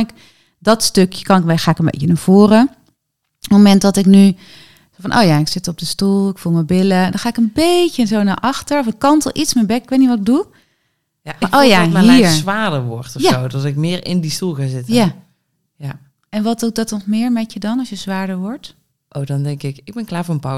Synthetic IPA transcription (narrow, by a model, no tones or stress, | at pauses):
nɪk | dɔtstøkjə̥kɑnɪkbexaːɪkənbḛjcənav̥oːrə | momɛntdɔtɪkny | zofɑnʔo̰wjaɪksɪtɔb̚dəstulˠɪkfulˠməbɪləndɔnχaːɪkənbejcənzowna̰ʔɑxtəɹɔfɪkːɑntəlˠʔitsmɛbɛkɪkʋejtniʋɔtɪɡ̚du | jankʔojamɦiɛɹsʋaːdəɹʋɔɹtɔjaowdɔtɪkmɪːɹɪ̰ndistulˠɣaːzɪtəja | ja | ɛnʋɑtdudɔtɔtmɪːɹmɛtədɑnɑsjəzʋaːɹdəɹʋɔɹt | ʔowdɔndɛŋkɪkɪɡ̚bɛnklaːɹvʊːɹənpaw